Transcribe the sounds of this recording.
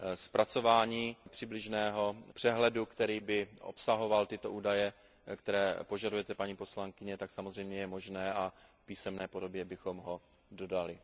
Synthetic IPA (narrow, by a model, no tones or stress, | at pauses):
spɾʔat͡so̞vaːɲiːpr̝̥ɪblɪʒnɛːɦo̞pr̥ɛɦlɛdukt̪ɛɾiːbɪʔo̰psaɦo̞valt̪ɪt̪o̞ʔuːdajɛ | kt̪ɛɾɛːpo̞ʒadujɛt̪ɛpaɲiːpo̞slaŋkɪɲɛt̪aksamozr̝ɛjmɲɛjɛmo̞ʒnɛːʔafpiːsɛmnɛːpo̞do̞bjɛbɪxo̞mɦo̞ | do̞dalɪ